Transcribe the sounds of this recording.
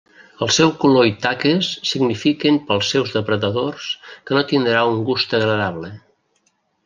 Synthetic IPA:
əlˠsɛwkuloit̪akəsːiɡnifikəmpəlˠsɛwzðəpɾəðəðorskənot̪ind̪ɾauŋɡust̪əɣɾəðaβlə

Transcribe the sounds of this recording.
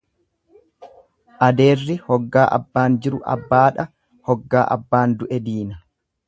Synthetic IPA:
ʔɐd̪e̞ːrːɪhɔɡːaːʔɐ̰bːaːnd͡ʒɪɾʊʔɐ̰bːaːᶑɐ | hɔɡːaːʔɐ̰bːaːnd̪ʊʔɛd̪iːnɐ

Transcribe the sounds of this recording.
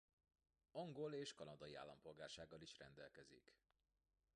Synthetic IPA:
ɒŋɡo̞leːʃkɒnɒd̪ɒjia̰ːlːɒmpo̞lɡaːrʃaːɡːɒliʃrɛ̰nd̪ɛlkɛzḭk

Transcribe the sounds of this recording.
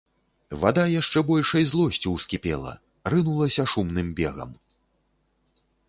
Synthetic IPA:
va̰d̪ajaʂt͡ʂɛbɔlʲʂɐjzlˠɔsʲt͡sʲiwskʲipʲɛ̰lˠɐ̰ | rɨnulˠɐsʲɐʂumnɨmbʲɛɣɐ̰m

